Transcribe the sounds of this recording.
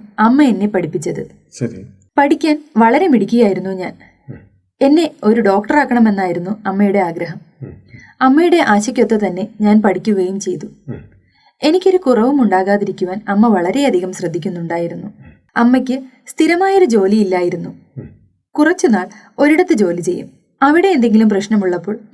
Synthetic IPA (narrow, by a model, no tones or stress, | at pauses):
ɐmːɐenːepɐɽipːit͡ɕːɐðɨ | ɕɐ | pɐɽikʲːaːnʋɐɭɐɾe̞miɽikʲːuɣjaːjiɾunːuɲaːn | e̞nːe̞o̞ɾuɖo̞ːk̚ʈɐraːkːɐɳɐme̞nːaːjiɾunːuɐmːɐjuɽe̞aːɡɾɐɦɐm | ɐmːɐjuɽe̞ʔaːɕɐkʲːjot̪ːɐt̪ɐnːe̞ɲaːnpɐɽikʲːuɣɐjumt͡ɕe̞jt̪u | e̞nikʲːo̞ɾukurɐʋumuɳɖaːɣaːðiɾikʲːuʋaːnɐmːɐʋɐɭɐɾe̞jɐd̪ʱiɣɐmɕrɐd̪ʱːikʲːunːuɳɖaːjiɾunːu | ɐmːɐkʲːɨ | st̪ʰiɾɐmaːjo̞ɾud͡ʑo̞ːliilːaːjiɾunːu | kurɐt͡ɕːunaːɭ | o̞ɾiɽɐt̪ːɨd͡ʑo̞ːlit͡ɕe̞jːṵm | ɐʋiɽe̞ːnd̪e̞ŋɡilumprɐɕnɐmuɭːɐpːo̞ːɭ